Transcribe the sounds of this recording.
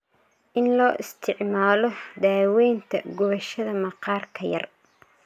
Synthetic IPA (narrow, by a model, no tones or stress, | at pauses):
ʔɪnlɔːʔɪst̪ʰɪʕmaːlɔd̪aːwɛjnt̪ʰɐ̰ɡɔβɐʃɐðɐmɐqɑːrkʰɐjɐ̰r